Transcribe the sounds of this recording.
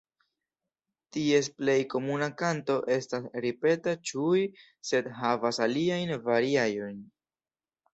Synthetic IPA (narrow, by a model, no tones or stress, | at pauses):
tie̞sple̞jko̞munakanto̞ʔe̞stasɾipe̞tat͡ʃuj | se̞dɦavasaliajnvaɾiajo̞jn